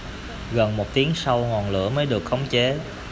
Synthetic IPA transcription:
ɣə˨˩nmo˨˩t̚t̪i˨˦əŋsa˧wŋɔ˨˩nlɨ̰˧˥əməː˨˦jɗɨ˨˩ək̚xə˨˦wŋ͡mt͡ɕe˨˦

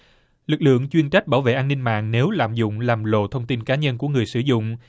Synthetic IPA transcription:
lɨ˨˩k̚lɨ̰˧˨əŋt͡ɕwi˧ənt͡ɕa˦˥k̟̚ɓaː˧˩wvḛ˧˨ʔaː˧nï˧ŋma̰ː˧˨ŋne˨˦wlaː˨mzʊ̰˧˨ŋ͡mlaː˨˩mlo̰˧˨t̪ʰə˧wŋ͡mt̪i˧nkaː˨˦ɲə˧nku˧˩əŋɨ˨˩əjsɨ˧˩zʊ̰˧˨ŋ͡m

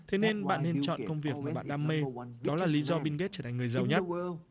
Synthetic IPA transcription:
t̪ʰe˨˦ne˧nɓa̰ː˧˨nːe˧nt͡ɕɔ̰˧˨kə˧wŋ͡mvi˨˩ək̚maː˨˩˨ɓa̰ː˧˨nɗaː˧mme˧ɗɔ˨˦laː˨˩li˨˦zɔ˧ɓi˧nke˦˥t̚t͡ɕəː˧˩a˨˩ŋŋɨ˨˩əjzə˨˩wɲə˦˥t̚

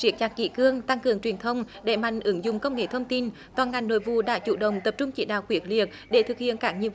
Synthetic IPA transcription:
t͡ɕi˨˦ək̚t͡ɕaː˨˩kḭ˧˥kɨ˧əŋt̪a˧ŋkɨ˨˩əŋt͡ɕwi˨˩ənt̪ʰə˧wŋ͡m | ɗe˧˩ma̰˧˨jŋ̟ʔɨ˨˦ŋzʊ̰˨ŋ͡mkə˧wŋ͡mŋḛ˧˨t̪ʰə˧wŋ͡mt̪i˧n | t̪waː˨˩nŋa˨˩jŋ̟no̰˧˨jvṵ˧˨ɗa̰ː˧˥t͡ɕṵ˧˩ɗə̰˧˨wŋ͡mt̪ə˨˩p̚t͡ɕʊ˧ŋ͡mt͡ɕḭ˧˩ɗaː˧˨wkwi˨˦ək̚li˨˩ək̚ɗe˧˩t̪ʰɨ˨˩k̚hḭ˧˨ənkaː˦˥k̚ɲḭ˨˧˨ə

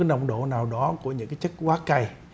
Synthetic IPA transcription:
a˨˦nɗə˨˩wŋ͡mɗo̰˧˨naː˨˩wɗɔ˨˦ku˧˩əɲɨ̰˧˥ŋkaː˨˦jt͡ɕɨ˦˥k̚waː˦˥ka˧˩j

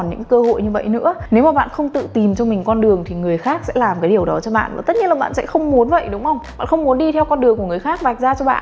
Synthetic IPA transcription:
nɲɨ̰˧˥kəː˧ho̰˧˨jɲɨ˧və̰˧˨jnɨ̰˧˥əne˨˦wmaː˨˩ɓa̰ː˧˨nxə˧wŋ͡mt̪ɨ̰˧˨t̪i˨˩mt͡ɕɔ˧mï˨˩ŋ̟kɔ˧nɗɨ˨˩əŋt̪ʰi˨˩ŋɨ˨˩əjxaː˦˥k̚sɛ̰˧˥laː˨˩mkaː˨˦jɗi˨˩əwɗɔ˨˦t͡ɕɔ˧ɓa̰ː˧˨nvaː˨˩t̪ə˦˥t̚ɲi˧əlaː˨˩ɓ̰a̰ː˧˨sɛ̰˧˥xə˧wŋ͡mmu˨˦ənvə̰˧˨jɗʊ˨˦wŋ͡mʔə˧wŋ͡mɓa̰ː˧˨xə˧wŋ͡mmu˨˦ənɗi˧t̪ʰɛ˧wkɔ˧nɗɨ˨˩əŋku˧˩əŋɨ˨˩əjxaː˦˥k̚va˨˩k̟̚zaː˧t͡ɕɔ˧ɓa̰ː˧˨n

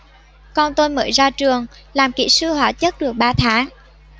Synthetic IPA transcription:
kɔ˧nt̪o˧jmə̰ː˧˦jzaː˧t͡ɕɨ˨˩əŋ | laː˨˩mkḭ˧˥sɨ˧hwaː˧˩t͡ɕə˦˥t̚ɗɨ˨˩ək̚ɓaː˧t̪ʰaː˨˦ŋ

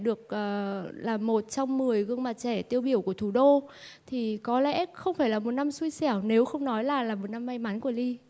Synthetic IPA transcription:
ɗɨ˨˩ək̚ʔəː˨˩laː˨˩mːo˨˩t̚t͡ɕɔ˧wŋ͡mmɨ˨˩əjɣɨ˧əŋma˨˩t̚t͡ɕɛ˧˩t̪i˧əwɓi˧˩əwku˧˩ət̪ʰu˧˩ɗo˧t̪ʰi˨˩kɔ˨˦lɛ̰˧˥˦xə˧wŋ͡mfaː˧˩jlaː˨˩mo˨˩t̚na˧msu˧jsɛ˧˩wne˨˦wxə˧wŋ͡mnɔ˨˦jlaː˨˩laː˨˩mo˨˩t̚na˧mːa˧jma˨˦nku˧˩əli˧

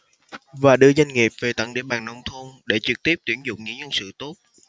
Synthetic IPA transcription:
vaː˨˩ɗɨ˧əza˧jŋ̟ŋi˨˩p̚ve˨˩t̪ə̰˧˥ŋɗḭ˧˩ɓaː˨˩ŋnɔ˧wŋ͡mt̪ʰo˧nɗe˧˩t͡ɕɨ˨˩k̚t̪i˦˥əp̚t̪wi˧˩ənzʊ̰˧˨ŋ͡mŋɲḭ˧˥ɲə˧nsɨ̰˧˨t̪o˦˥t̚

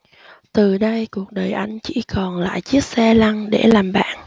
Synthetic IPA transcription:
t̪ɨ˨˩ɗə˧jku˨˩ək̚ɗəː˨˩jʔa˧jŋ̟t͡ɕḭ˧˥kɔ˨˩nla̰ː˧˨jt͡ɕi˦˥ət̚sɛ˧la˧ŋɗḛ˧˩laː˨˩mɓa̰ː˧˨n

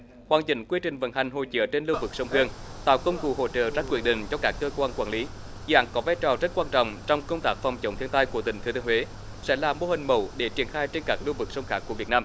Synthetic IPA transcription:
hwaː˨˩nt͡ɕï˧˩ŋ̟kwi˧ət͡ɕï˨˩ŋ̟və̰˧˥nha˨˩jŋ̟ɦo̰˧˨jt͡ɕə̰˧˥t͡ɕe˧nlɨ˧vɨ˨˩k̚sə˧wŋ͡mhɨ˧əŋt̪a̰ː˧˨wkə˧wŋ͡mkṵ˧˩ho̰˧˨t͡ɕə̰ː˧˨zaː˦˧kwi˧˩ənɗḭ̈˧˨ŋ̟t͡ɕɔ˧kaː˦˥kːəː˧kwaː˧nkwaː˧˩nli˨˦ | zʔa̰ː˨˦nkɔ˨˦vaː˧jt͡ɕɔ˨˩zə˦˥t̚kwaː˧nt͡ɕɔ̰˧˨wŋ͡mt͡ɕɔ˧wŋ͡mkə˧wŋ͡mt̪aː˦˥k̚fɔ˨˩wŋ͡mt͡ɕə˨˦ŋ͡mt̪ʰi˧ənt̪aː˧jkət̪ï˧˩ŋʰɨ˨˦i˧we˨˦ | sɛ̰˧˥laː˨˩mo˧hï˨˩ŋ̟mə˧˩wɗe˧˩t͡ɕi˧˩ənxaː˧jt͡ɕe˧nkaː˦˥k̚lu˧vɨ˨˩k̚sə˧wŋ͡mxaː˦˥kːu˧˩əvi˨˩ət̚naː˧m

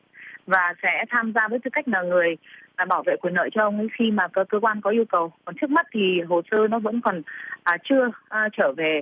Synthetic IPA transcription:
vaː˨˩sɛ̰˧˥t̪ʰaː˧mzaː˧vəː˨˦jt̪ɨ˧˩ka˦˥k̟̚naː˨˩ŋɨ˨˩əjːɓaː˧˩wvḛ˧˨kwi˨˩ənːə̰ː˧˨jt͡ɕɔ˧ʔə˧wŋ͡mxi˧maː˨˩kə˨˧kəː˧kwaː˧nkɔ˨˦ʔi˧əwkə˨˩wkɔ˨˩nt͡ɕʰɨ˦˥ək̚m˦˥t̚t̪ʰi˨˩ɦo˨˩səː˧nɔ˨˦və̰˧˥nkɔ˨˩nʔa˨˩t͡ɕɨ˧ə˨t͡ɕəː˧˩ve˨˩

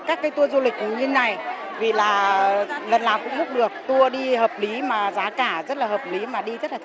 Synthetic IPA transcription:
kaː˦˥kːaː˨˦t̪u˧əzu˧lï˨˩k̚mu˨˩ɲi˧nːa˨˩j | vi˨˩laː˨˩lə˨˩nlaː˨˩mkʊ̰˧˥ŋ͡mmʊ˦˥k͡p̚ɗɨ˨˩ək̚t̪u˧əɗi˧həː˨˩p̚li˨˦maː˨˩zaː˨˦kaː˧˩zə˦˥t̚laː˨˩həː˨˩p̚li˨˦maː˨˩ɗi˧zə˦˥t̚laː˨˩

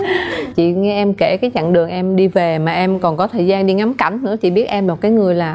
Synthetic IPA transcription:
t͡ɕḭ˧˨ŋɛ˧ʔɛ˧mke˧˩kaː˨˦jt͡ɕa̰˧˨ŋɗɨ˨˩əŋʔɛ˧mɗi˧ve˨˩maː˨˩ʔɛ˧mkɔ˨˩nkɔ˨˦t̪ʰəː˨˩jzaː˧nɗi˧ŋa˨˦mka˧˩jŋ̟nɨ̰˧˥ət͡ɕḭ˧˨ɓi˦˥ət̚ʔɛ˧mla˨˩kaː˨˦jŋɨ˨˩əjlaː˨˩

